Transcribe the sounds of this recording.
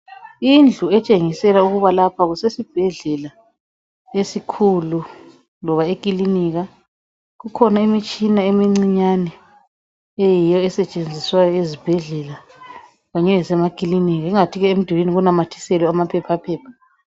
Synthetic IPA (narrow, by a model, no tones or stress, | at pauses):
ind͡ɮʱuɛt͡ʃʼeŋisɛlauɣuβalapʰaɣusesib̥ʱɛɮɛla | esikʰulu | lɔβaekʼiliniɣa | ɣukʰɔnaimit͡ʃʼinaemiŋ͡ǀiɲanɛ | ejijɔɛsɛt͡ʃʼend͡zʱiswajɔezib̥ʱɛɮɛla | ɣaɲɛlɛsɛmakʼiliniɣaiŋatʰiɣɛem̩d̥ʱiwiniɣunamatʰi̥sɛlɛamapʰɛpʰapʰɛːpʰḁ